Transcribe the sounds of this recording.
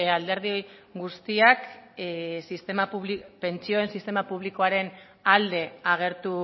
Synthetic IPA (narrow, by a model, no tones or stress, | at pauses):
ald̪e̞ɾð̞io̞jɡust̪iak | sist̪emauβlipe̞nt͡sio̞ensist̪e̞mapuβ̞liko̞aɾe̞n | ald̪e̞aɣ̞e̞ɾt̪u